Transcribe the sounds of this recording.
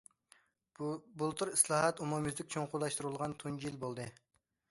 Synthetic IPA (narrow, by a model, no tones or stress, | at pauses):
bulˠt̪ʰuɾislˠɑːɦɑt̪umumɪzd̪ɪkʲt͡ʃʰoŋqʰʊlˠɑʃt̪uɾɨlˠʁɑnt̪ʰuŋd͡ʒijilbolˠd̪ɨ